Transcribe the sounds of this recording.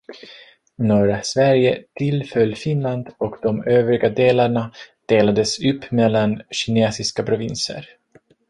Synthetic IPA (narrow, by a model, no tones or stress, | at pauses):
nɔːɾasvæɾjət̪ʰɪlfœlːfɪnland̪ɔkd̪ɔmøːvɾɪɡad̪eːlaɳad̪̥eːlad̪əsɵpːmɛlːanɕɪneːsɪskapʰɾʊvɪnsə̰ɾ